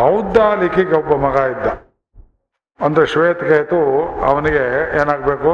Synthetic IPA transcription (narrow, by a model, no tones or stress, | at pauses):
ɦɐwd̪alikiɡɐbːɐmɐɡaːid̪ːɐ | ɐnd̪ɐɾeʃʋeːt̪keːjt̪uɐ̰ʋɐniɡeeːnaːɡ̚beːku